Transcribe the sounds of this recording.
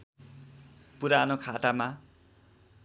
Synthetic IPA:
puɾanokʰaʈama

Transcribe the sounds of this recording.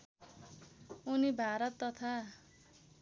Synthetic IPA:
unibʱaɾʌt̪ːʌt̪ʰa

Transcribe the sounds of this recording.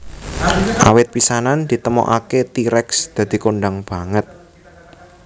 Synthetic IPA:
ʔa̰wɪt̪̚pisanand̪̥i̤t̪əmɔ̰ʔaket̪iɾɛksd̪̥ä̤d̪̥i̤koɳɖaŋb̥a̤ŋət̪̚

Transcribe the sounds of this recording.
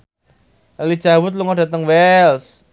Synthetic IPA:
ɛlid̥ʒ̥a̤wʊt̪̬̚luŋɔd̥ä̤t̪əŋwɛls

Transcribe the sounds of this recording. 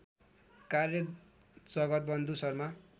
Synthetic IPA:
karjʌk | d͡zʌɡʌt̪̚bʌnd̪usʌrma

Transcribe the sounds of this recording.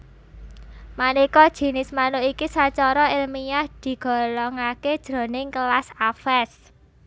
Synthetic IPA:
manikɔd̥ʒ̥i̤nɪsmanʊikisat͡ʃɔɾɔɪlmijahd̪̥i̤ɡ̥ɔ̤lɔŋaked̥ʒ̥ɾɔ̤nɪŋkəlasafɛs

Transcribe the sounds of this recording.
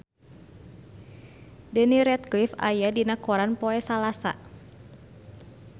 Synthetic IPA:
dəniɾɛt̪̚klifa̰jadinakoɾanpɔɛsalasa̰

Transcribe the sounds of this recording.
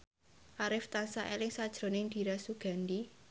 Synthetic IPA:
ʔaɾɪft̪ansaʔelɪŋsad̥ʒ̥ɾo̤nɪŋd̪̥i̤ɾasuɡ̥a̤nd̪i

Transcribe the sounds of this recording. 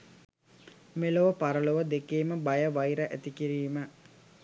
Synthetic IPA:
meloʋəpaɾəloʋəd̪ekeːməbajəʋajɾəʔæ̰t̪ikiɾiːmə

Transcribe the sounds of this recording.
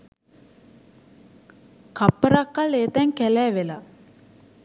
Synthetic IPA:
kapːəɾakːaleːt̪ɛŋkɛlɛːʋela

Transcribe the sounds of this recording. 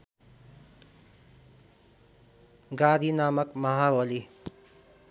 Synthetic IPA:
ɡad̪ʱinaːmʌkmʌɦawʌli

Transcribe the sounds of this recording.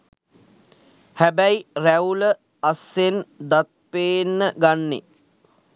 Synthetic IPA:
hæbæjiræulə | asːend̪at̪̚peːnːəɡanːḛ

